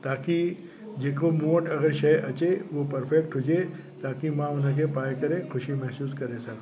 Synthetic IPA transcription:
t̪aːki | d͡ʒeːkomoːʈɐɡəɾʃɐjʔɐt͡ʃeʋopɐɾpʰek̚ʈɦod͡ʒe | t̪aːkimãʊnɦə̃k̬epaːjkɐɾẽkʰʊʃimɛɦsuːskɐɾesɐk

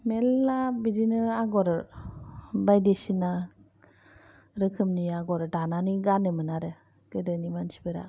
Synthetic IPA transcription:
melːabidinɯaɡɔɾ | bajdesina | ɾɯkʰɯmniaɡɔɾdananiɡanɯmɯnaɾɯ | ɡɯdɯnimansi̥bɯɾa̰

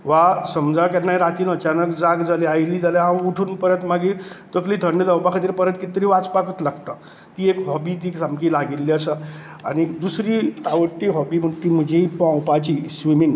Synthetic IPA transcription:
ʋasəmd͡zakɛnːajɾat̪iːnət͡ɕanəkd͡zaɡd͡zaleajliːd͡zaleɦãuʈʰuːnpəɾət̪maɡiːɾt̪əkliːd̪ʱəɳɖd͡z̪əwpakʰat̪iːɾpəɾət̪kit̪ɾiːʋat͡spakət̪laɡt̪a | kiːekɦɔbit̪iːksamkiːlaɡilːiasa | a̰ñid̪usɾiːa̰ʋəʈːiːɦɔbiːm̤ət̪iːm̤əd͡ʑʱeipãwpat͡ɕiːsʋimiŋɡ

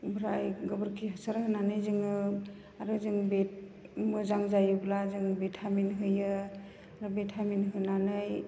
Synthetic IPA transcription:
bʱɾajɡɯbɯɾkʰiɦasaɾɦɯnanɯjzɯŋɯ | aɾɯzɯŋbet̚ | mɯzaŋzajɯblazɯŋbetʰaminɦɯjɯ | aɾɯbetʰaminɦɯnanɯj

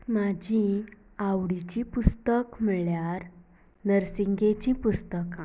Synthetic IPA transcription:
mad͡ʑĩ | awɽit͡ɕĩpust̪əkm̤əɭjaɾ | nəɾsiŋɡet͡ɕĩpust̪ək

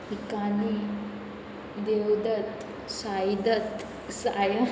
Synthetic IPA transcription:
ikani | d̪ewd̪ət̪ | sajd̪ət̪ | sajə

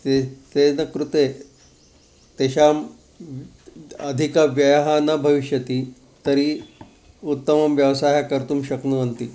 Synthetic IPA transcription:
t̪et̪enəkɾut̪e | t̪eɕam | əd̪ʱikaʋjəjɦanabʱəʋiɕjət̪iː | t̪əɾi | ut̪ːəmɐmʋjəʋsaɦakəɾt̪uːmɕəknuənt̪iː

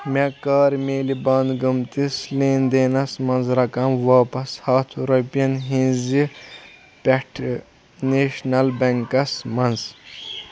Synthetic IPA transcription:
mekaːɾmeːlibaːnd̪ɡumt̪isleːnd̪eːnɐsmɐnzɾɐkɐmʋaːpɐshaːt̪ʰjuɾɐpijɐnɦĩnzi | peʈʰ | neːʃnɐlbɐŋkɐsmɐnz

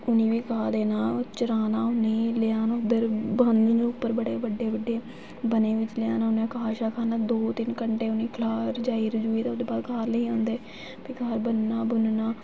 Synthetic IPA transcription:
ʊnĩːʋiːkʰaːd̪eːnaːt͡ʃəɾaːnaːʊniːleaːnʊd̪əɾbənd̪ːd͡ʒõːʊpːəɾbəɽeːʋəɖːeːʋəɖːeː | bəneːʋɪt͡ʃlɪjaːnaːʊnẽːkaːʃaːkʰaːnaːd̪oːt̪ɪnkəɳʈeːʊniːkʰlaːɾəd͡ʒaːiːɾəd͡ʒuːiːt̪ãːʊd̪eːbaːd̪kʰaːɾnəĩːõːnd̪eː | piːkaːɾbənnaːbʊnnaː

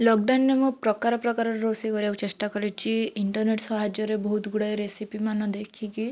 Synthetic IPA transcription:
lɔɡ̚ɖanːemupɾɔkaɾɔpɾɔkaɾɔɾeɾosikɔɾiaw̃t͡ʃesʈakɔɾit͡ʃʰiiɳʈɔɾneʈsɔɦad͡ʒɔɾebɔɦut̪ɡuɽajɾesipimanɔd̪ekʰiki

